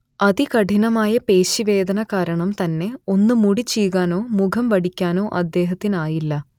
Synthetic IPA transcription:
ɐðikɐʈinɐmaːjɐpe̞ːɕiʋe̞ːd̪ɐnɐkaːɾɐɳɐmt̪ɐnːe̞o̞nːɨmuɽit͡ɕːijɣaːno̞ːmukʰɐmʋɐɽikʲːaːno̞ːʔɐd̪ːe̞ːɦɐt̪ːinaːjilːɐ

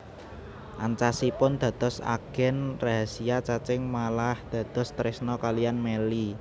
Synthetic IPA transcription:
ʔa̰ɲt͡ʃasipʊnd̪̥a̤d̪̥ɔ̤sa̰ɡ̥ɛ̤nraɦasiat͡ʃat͡ʃɪŋmalahd̪̥ä̤d̪̥ɔ̤st̪ɾɪsnɔkalijanmeli

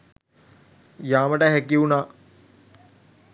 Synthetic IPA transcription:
jaːməʈəɦekiuna

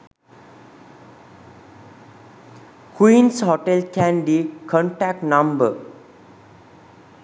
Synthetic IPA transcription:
kwĩːnshoʈelkɛ̃nbikʰɔ̃ɳʈæk̚ʈnʌ̃mbə

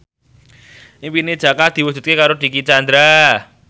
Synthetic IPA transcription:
ʔiŋpined̥d͡ʒ̥a̤kad̪̥i̤wu̥ʒ̥ṳt̪̚kekaɾod̥̪i̤kit͡ʃand̪ɾa

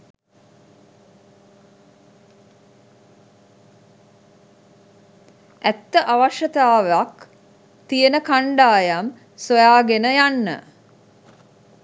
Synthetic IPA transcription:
æt̪ːəʔaʋaʂət̪aːʋak | t̪ijənəkaɳɖaːjam | sojaːɡenəjanːə̰

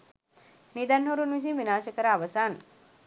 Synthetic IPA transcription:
nid̪anɦoɾunʋiʃiʋinaːʃɐkəɾaːʋɐsaːn

